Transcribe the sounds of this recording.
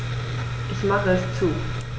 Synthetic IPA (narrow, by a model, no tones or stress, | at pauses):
ʔɪçmaχəst͡suː